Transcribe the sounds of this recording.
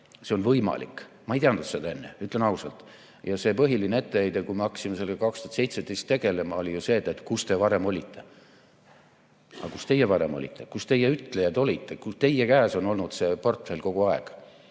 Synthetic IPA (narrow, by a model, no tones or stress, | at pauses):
se̞o̞nvɤjmɑ̰lḭk | mɑejt̪iɑnud̪t̪sed̪ɑe̞nːeyt̪ˑlenɑusɑlt̪ˑ | jɑse̞pɤɦilinee̞t̪ːeejd̪̥ekuimeɑkɑ̥simese̞lɡ̥eɑkɑkst̪uɑt̪se̞jt̪sed̪ejst̪ːe̞ɡe̞le̞mɑo̞lʲijuse̞ːt̪ːˑet̪ˑkust̪e̞vɑɾe̞mo̞lʲit̪ʰːe̞ | ɑ̰kust̪e̞jevɑɾe̞̰mo̞lʲḭt̪ːˑe̞kust̪e̞jeyt̪lejɑd̪o̞lʲit̪ˑːe̞kut̪e̞jekæːso̞no̞lnud̪̥se̞po̞rt̪ˑfe̞lʲko̞ɡ̥uɑḛɡ̥